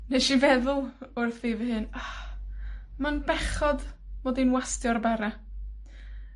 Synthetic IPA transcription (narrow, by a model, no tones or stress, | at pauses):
neʃivɛðʊlˠʊrθviːvəhɨna | manbɛχɔdmodinwastjɔrbaɾa